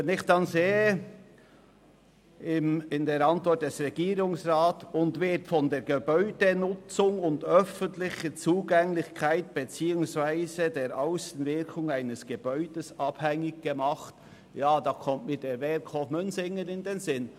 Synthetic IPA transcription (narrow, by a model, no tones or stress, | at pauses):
ʋɛnɪχd̥ɑnzeːə | ɪmɪndeːɾɑntvɔt̚d̥ɛsrɛɡiːɾʊŋsʁaːtʊndvɪtfɔndeːɾɡ̥ebœʏd̥ənʊt͡sʊŋʊndœfəntlɪχət͡suːɡɛŋlɪçkʰaɪt̚b̥et͡siːʊŋsv̥aɪzədeːɾʔaʊsn̩vɪkʰʊŋaɪnəsɡ̥eb̥œʏd̥əsɑb̥hɛŋɪɡɡ̥əmɑχt | jaːd̥ɑːkʰɔmtmɪtd̥eːvɛkʰɔfmʏnsɪŋənɪndenzɪn